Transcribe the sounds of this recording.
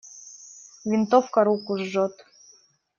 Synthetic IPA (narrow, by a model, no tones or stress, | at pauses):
vʲint̪ofkɑɾukuʒːɤ̆t̪